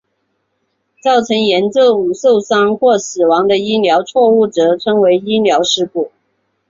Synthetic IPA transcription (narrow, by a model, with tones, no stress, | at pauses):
t͡sɑ˥˩ʊʈ͡ʂʰɤ˧˥ŋjɛ˧˥nʈ͡ʂo˥˩ʊ˨˩so˥˩ʊsɑ˥ŋxwɔ˥˩sɹ̩˨˩wɑ˧˥ŋd̪ə˧i˥ljɑ˧˥ʊt͡sʰwɔ˥˧u˥˩ʈ͡ʂɤ˧˥ʈ͡ʂʰɤ˧˥ŋwe˧˥ɪi˥ljɑ˧˥ʊʂɻ̩˥˧pu˥˩